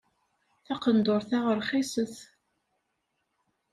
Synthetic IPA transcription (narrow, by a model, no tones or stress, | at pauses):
θɑqənd̪oɾθaʁəɾχisəθ